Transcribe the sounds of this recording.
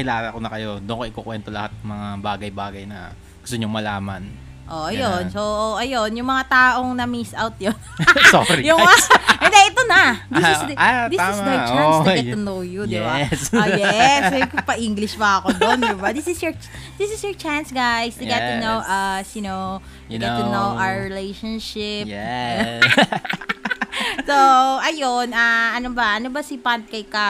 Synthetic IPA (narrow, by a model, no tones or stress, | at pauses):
kɪlaːlɐɐkonɐkɐjo̞d̪ʊɐŋkoʔɪkokwɛnt̪olɐ̰hat̪̚n̚ɐmɐŋabaːɡɐjbaːɡɐjnɐ̰ | ɡʊ̥st̪oɲoŋmɐla̰ːmɐ̰n | ʔoʔɐjonsoʔoʔɐjo̞njʊŋmɐŋat̪aːʔo̞ŋnɐmisʔawt̪̚jonoɾijʊŋaɛnd̪ɛʔɛt̪onɐd̪ɪɪsad̪it̪ːɪsɡajt͡ʃasɛt̪ʊnowjuj̪ɪbasjɛsjpɐʔiŋɡlɪʃpɐɐkod̪ond̪ɪbad̪ɪsɪsjɔɹd̪ɪsɪsjɔɹt͡ʃansɡajst̪ʊɡɛʊnowʔɐsjʊnow | t̪ʊɡɛt̪ːʊnowʔaɹɪlejʃɐnʃɪp̚ɛ | soʔɐjonɐʔɐnobɐʔɐnobɐsipant̪̚kɐjka